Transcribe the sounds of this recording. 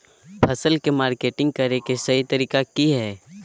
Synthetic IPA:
pʰɐsəlkemaːɾkeːʈɪ̃ŋɡ̚kɐɾekesɐɦit̪ɐɾiːkakiɦɛː

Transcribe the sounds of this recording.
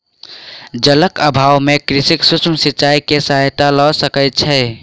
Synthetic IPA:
d͡ʒələkəbʱawmekɾisiksut͡ʃʰməsiːt͡ʃaikesaɦjt̪alɔsəkət̪̚t͡ʃʰɛ

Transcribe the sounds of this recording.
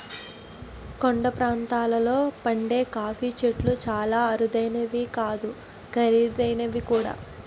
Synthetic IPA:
koɳɖɐpɾaːnt̪aːlɐlo̞ːpɐɳɖe̞ːkaːfiːt͡ʃeʈlut͡ʃaːlaːɐɾud̪ɐjnɐʋikaːd̪u | ɡɐɾid̪ɐjnɐʋikuːɽa̰ː

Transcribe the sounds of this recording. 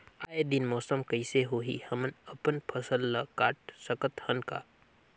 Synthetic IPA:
aːed̪inmɔːsəmkəɪseɦoːɦḭhəmənəpənpʰəsəlːəkaːʈ̚səkət̪hənka̰ː

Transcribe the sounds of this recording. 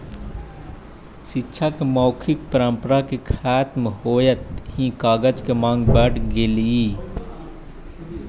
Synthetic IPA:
ʃɪtːʃʰakemɔːkʰɪk̚pəɾə̃mpəɾakekʰaːt̪mhoːjət̪hĩkaːɡəd͡ʒkemãːŋɡbɛːʈʰɡeliiː

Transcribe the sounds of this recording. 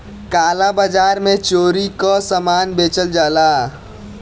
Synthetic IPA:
kaːlabad͡ʒaɾmẽt͡ʃoɾikɔsəmanbet͡ʃəld͡ʒaːla

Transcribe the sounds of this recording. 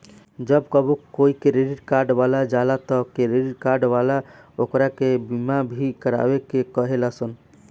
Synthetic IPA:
d͡ʒəbkəbokːoikeɾeɖiʈkaɾɖbalad͡ʒalat̪ɔkeɾeɖiʈ̚kaɾɖʋalaokɾakebimabʱikəɾa̰bekekəɦelasən

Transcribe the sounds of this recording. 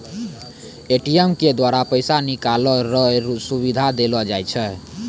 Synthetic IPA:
eʈijemked̪waɾapəɪsanikalɔɾɔsuβid̪ʱad̪elɔd͡ʒajt͡ʃʰɛ

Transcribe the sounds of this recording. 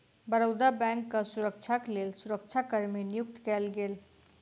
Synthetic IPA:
bəɾəʊd̪abɛ̃ːŋkːasʊɾəkt͡ʃʰakleːlsʊɾəkt͡ʃʰakəɾminijʊk̚t̪kɛlɡeːl

